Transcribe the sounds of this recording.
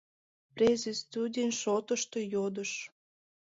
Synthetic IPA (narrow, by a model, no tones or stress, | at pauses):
prʲezʲest̪udʲinʃot̪əʃt̪ojod̪əʃ